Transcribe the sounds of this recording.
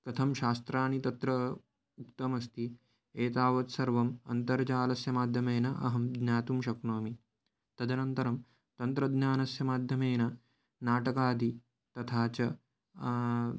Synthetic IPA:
kɐt̪ʰɐmʃaːst̪ɾaːnit̪ɐt̪ɾɐ | ukt̪ɐmɐst̪i | eːt̪aːʋɐt̪sɐɾʋɐmɐ̰nt̪ɐɾt͡ʃaːlɐsjɐmaːd̪ʱjɐmeːnɐʔɐ̰ɦɐmd̪njaːt̪umʃɐkɳoːmi | t̪ɐd̪ʱɐnɐnt̪ɐɾɐm | t̪ɐnt̪ɾɐd̪njaːnɐsjɐmaːd̪ʱjɐmeːnɐ | naːʈɐkaːd̪i | t̪ɐt̪ʰaːt͡ʃɐ

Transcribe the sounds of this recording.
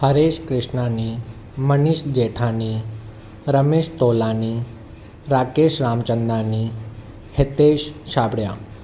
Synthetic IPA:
həɾeːʃkɾɪʂnani | məniʃd͡ʑeːʈʰani | ɾəmeːʃt̪oːlani | ɾaːkeːʃɾaːmt͡ʃənd̪ani | het̪eːʃʃaːbɽjaː

